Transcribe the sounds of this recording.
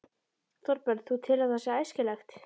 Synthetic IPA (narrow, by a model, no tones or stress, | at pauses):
θɔɾpɛɾðθut̪ʰɪlaθɛsːɪajscɪlɛxt̪